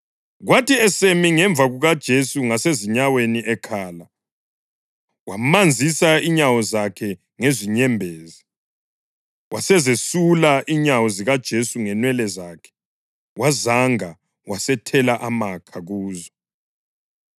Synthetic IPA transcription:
ɣwatʰiɛsemiŋɛɱb̪vʱaɣuɣad̥ʒ̥ʱesuŋaseziɲaweniʔɛkʰaːla | wamand͡zʱisaiɲawɔzakʰɛ | ŋeziɲɛmbʱeːzi | wʔasɛzesulaʔiɲawɔziɣad̥ʒ̥ʱesuŋɛnwɛlɛzaːkʰɛ̥ | wʔazaŋa | wasɛtʰɛlaʔamakʰaɣuːzɔ

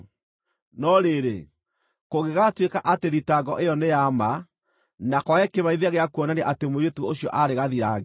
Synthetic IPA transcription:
nɔɾeɾe | koɣeɣatwekaʔateðitaɡɔʔejɔnejama | nakwɔɛkeβaiðeaɣeakuɔnaneʔatemoɾetuooɕjɔʔaɾeɣaðiɾaɣe

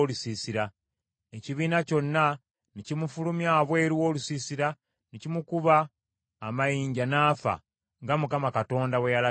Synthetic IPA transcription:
olusiːsiɾa | eciβiːnaco̞nːa | nicimufulumjaβwe̞ːɾuwo̞ːlusiːsiɾa | nicimukuβaː | majiːɲɟanaːfa̰ | ŋɡamukamakato̞ːndawejala

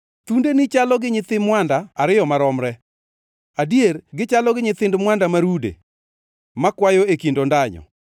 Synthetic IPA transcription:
t̪undenɪt͡ʃalɔɡɪɲɪt̪ɪmwandaːɾɪjɔmaɾɔmɾɛ | adieɾɡɪt͡ʃalɔɡɪɲɪt̪ɪndmwandamaɾudḛ | makwajoekindondaɲɔ̰

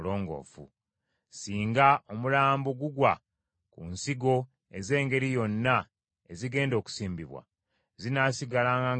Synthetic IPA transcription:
loːŋɡo̰fṵ | siːŋɡao̞mulaːmboɡuɡwa | kunsiɡo̞ | eze̞ːŋɡe̞ɾijo̞nːa | eziɡe̞ːndo̞ːku̥siːmbiβwa̰ | zinasiɡalaːŋɡa

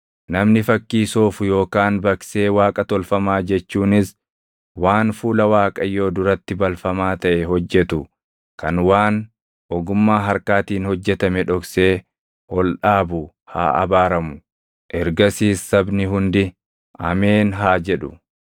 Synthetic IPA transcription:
nɐmnɪfɐkːiːsoːfʊjo̞ːkaːnbɐkse̞ːwaːkʼɐt̪ɔlfɐmaːd͡ʒɛt͡ʃːuːnɪs | waːnfuːlɐwaːkʼɐjo̞ːd̪ʊɾɐt̪ːɪbɐlfɐmaːt̪ɐʔɛɦɔd͡ʒːɛt̪ʊ | kɐnwaːn | ʔɔɡʊmːaːɦɐɾkaːt̪iːnhɔd͡ʒːɛt̪ɐmɛᶑɔkse̞ː | hɔlᶑaːbʊ | ha̰ːɐ̰baːɾɐmʊ | ʔɛɾɡɐsiːsːɐbnɪɦʊnd̪ɪ | ʔɐmeːnɦaːd͡ʒɛᶑʊ

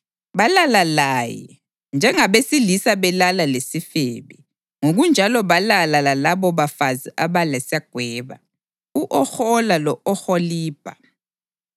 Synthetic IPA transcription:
βalalalajɛ̰ | nd͡ʒʱɛŋaβesilisaβɛlalalesifeβɛ | ŋoɣund͡ʒʱalɔβalalalalaβɔβafaziʔaβalɛsjaɡ̥ʱwɛːβa̰ | uʔɔxɔlalɔɔxɔliːb̥ʱa

